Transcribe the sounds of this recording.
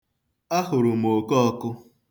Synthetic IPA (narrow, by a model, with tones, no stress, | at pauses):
a˦ɦʊ˨ɾʊ˨m˨o˨kɔ˦ɔ˦kʊ˦